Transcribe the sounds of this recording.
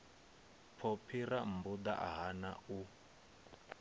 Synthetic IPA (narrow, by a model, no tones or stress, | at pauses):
pʰopʰiram̩bud̪a̰ʔa̰ɦana̰u